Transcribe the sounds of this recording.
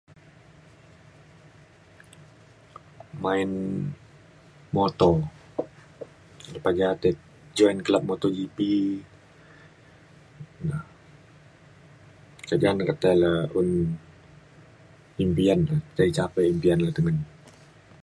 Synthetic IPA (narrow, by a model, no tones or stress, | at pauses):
maɪn | mɔt̪ɔ | ləpaɡat̪ɛ | d͡ʒɔɛnklap̚mɔt̪ɔd͡ʒipi | la | kadiankat̪alaun | impianlasait͡ʃapɛimpianlahd̪əŋan